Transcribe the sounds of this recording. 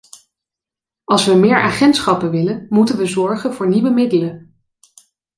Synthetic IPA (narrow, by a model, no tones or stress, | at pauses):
ɑlˠsʋəmɪːɹʔa̰ːχɛntsχɑpənʋɪlənmutənʋəzɔɹχənvʊːɹniʋəmɪdələn